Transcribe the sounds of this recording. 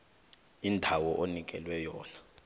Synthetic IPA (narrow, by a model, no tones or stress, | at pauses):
indʱawɔʔonik̬ʼɛ̰lwɛjɔːna